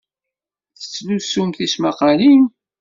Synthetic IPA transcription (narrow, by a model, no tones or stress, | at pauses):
θə̥t͡sːlusumθismaqɑlim